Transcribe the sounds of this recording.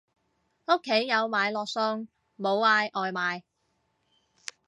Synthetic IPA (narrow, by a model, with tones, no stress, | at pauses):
o˥kʰːe˨˥jːɐ˨˧wmaː˨˧jlɔː˨k̚sɔː˧ŋ | mo˨˧waː˧jʔɔː˨˧jmaː˨˧j